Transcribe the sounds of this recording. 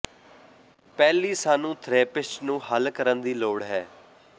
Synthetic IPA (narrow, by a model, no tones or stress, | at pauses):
pɛːliːsaːnũːt̪ʰɾeːpɪsʈnũːhəlkəɾənd̪iːloːɽɦɛː